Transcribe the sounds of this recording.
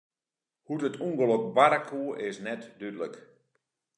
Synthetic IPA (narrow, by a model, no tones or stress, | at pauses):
hutətuŋɡəlok̚baɾakʰuəʔɪsnɛtdydlək